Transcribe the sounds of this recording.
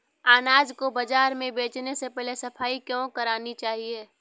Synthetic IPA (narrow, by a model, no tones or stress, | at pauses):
aːnaːd͡ʒkobəd͡ʒaːɾmẽbeːt͡ʃnesepɛɦlesɐpʰaːikjõkɐɾaːnit͡ʃaːɦieː